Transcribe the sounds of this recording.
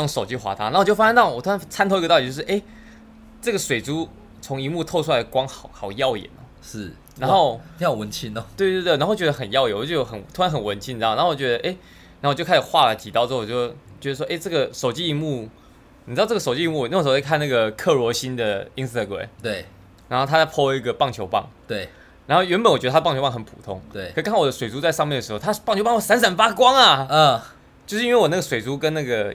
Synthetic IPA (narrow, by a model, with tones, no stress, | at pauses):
ŋʂo˨˩ʊt͡ɕi˧˥xwa̰˧˥t̪ʰa˥na˧˥wt͡ɕjo˥˩fa˥ɕe˥n˥˨˩wɔ˨˩t̪ʰu˥a˧˥t͡sʰa˥nt̪ʰo˥ʊi˧ə˧t̪ɑ˥˩˨i˧t͡ɕo˥ʂ̩˥˧ʔe˥˩ɪ | ʈ͡ʂɤ˥˩ɡə˩ʂwe˨˩ɪʈ͡ʂu˥ | t͡sʰʊ˧˥ŋi˧˥mu˥˧t̪ʰo˥˧ʊʈ͡ʂʰu˥a˧˥ɪd̪ə˩kwɑ˥ŋxɑ˨˩ʊxɑ˨˩ʊjɑ˥˩ʊjɛ̰˨˩nɐ˩˦ʂɻ̩˥˩ | na˧˥nxo˥˧ʊjɑ˥˩wə˧˦nt͡ɕʰi˦˥n˨˩t̪we˥˧ɪt̪we˥˧t̪̬wa˧˥xt͡ɕɛ˧˥ə˧xə˨˩njɑ˥˧ʊjɛ˨˩nwɔ˨˩˥xə˨˩nt̪ʰu˥a˧˦nxə˨˩nwə˧˦nt͡ɕʰi˥n̩˧˥ɑ˥˩ŋn˧˦xo˨˧˩t͡ɕʲɛ˧˥d̪ə˧ʔe˥ɪ | na˧˦˥o˥˩˨t͡ɕo˥˧kʰʂ̩˨˩xwa˥˩la˨˩t͡ɕi˨˩ɑ˥˧ʊt͡sːjo˥˩ʊt͡ɕɥɛ˧˥ə˧ʂwɔ˥ʔe˥ɪʈ͡ʂɤ˥˩ɡə˨ʂo˨ʊt͡ɕi˥i˧˥mu˥˩ | ni˨˩˧ʈ͡ʂɤ˥˩o˨˩t͡ɕi˥˧mu˥˩˨n˥˧˩ʂo˨˧˩t͡ɕi˥kʰna˥˩ɡə˩kʰɤ˥˩lwɔ˧˥ɕi˦nd̪ə˨i˥ŋst̪ə˧˩ɡwḛ˨˩ɪt̪we˥˩ɪ | ɻa˧˥nxo˥˩t̪ʰa˥a˥˩pʰɔ˥i˧˥ɡə˨pɑ˥˩ŋt͡ɕʰjo˧˥ʊpɑ̰˥˩ŋt̪we˥˩ɪ | ɻa˧˥nxo˥˩ʊɥɛ˧˥npə˨nwt͡ɕɥə˧˩˧pŋt͡ɕʰo˧˥ŋxə˦npʰṵ˨˩t̪ʰʊ̰˦˥ŋʰt̪we˥˩ɪ˨˥˩ɔ˨˩ə˦ʂwe˨˩ɪt͡su˧˥t͡sa˥ɪʂɑ˥˧ŋmjɛ˥˩nd̪ə˩ʂɻo˥˧t̪ʰa˥pɑ˥˩ŋt͡ɕʰo˧˥pɑ˥ŋwsa˥ns̬a˨˥nfa˥kwɑ˥ŋa˨˩˥ | t͡ɕjo˥˧ʊʂɻ̩˧i˥nwe˥˩wɔ˨˩na˥˩ɡə˩ʂwe˨˩ɪt͡su˦˥kə˦nna˥˩ɡə˩